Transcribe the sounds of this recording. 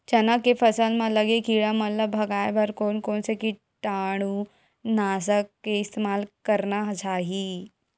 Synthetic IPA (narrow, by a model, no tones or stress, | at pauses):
d͡ʑənakefəsanmalːəɡekiɭaməlabʱəɡajbʱəɾkonkonseki | ʈaɽ̃uː | nasəkːeist̪emalkəɾnaɦd͡ʒaɦi